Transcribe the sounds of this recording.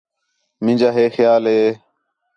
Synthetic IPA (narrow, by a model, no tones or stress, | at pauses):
mɪ̃nd͡ʒaːɦeːxjaːlɦeː